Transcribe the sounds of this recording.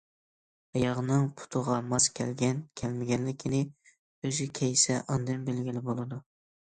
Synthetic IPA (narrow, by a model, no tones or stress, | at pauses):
ɑjɑʁnɨŋpʰʊ̥t̪ʰəʁɑmɑskʲʰɛ̰lɡʲɛnkʲʰɛlmɪɡʲɛnlɪkʲʰːɪnɪ | øzɪkʲʰɛjsɛʔɑnd̪ɨnbelɡʲilɪbolˠɨd̪u